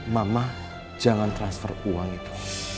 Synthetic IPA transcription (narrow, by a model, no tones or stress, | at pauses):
mamah | d͡ʒaŋant̪ɾansfə̰ruwaŋit̪u̥